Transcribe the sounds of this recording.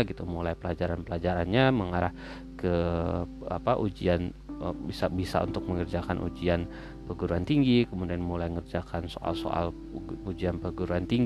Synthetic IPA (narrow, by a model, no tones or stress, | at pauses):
ɡit̪umulajpəlad͡ʒaɾanpəlad͡ʒaɾanɲaməŋaɾah | kə | a̰paʔud͡ʒian | bisabisa̰ṵnt̪ʊk̚məŋərd͡ʒakanʔṵd͡ʒian | pəɡuɾuant̪iŋɡikəmudianmulajŋərd͡ʒakanso̰ʔa̰lso̰a̰l | ud͡ʒianpəɡuɾuant̪iŋɡ